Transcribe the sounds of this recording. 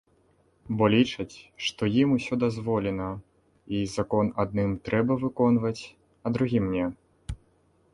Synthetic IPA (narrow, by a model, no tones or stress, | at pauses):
bɔlʲit͡ʂɐt͡sʲʂt̪ɔjimusʲɔd̪azvɔlʲɛnɐ | izakɔnad̪̚nɨmt̪ɾɛbɐvɨkɔnvɐt͡sʲ | ɐd̪ɾuɣʲimnʲɛ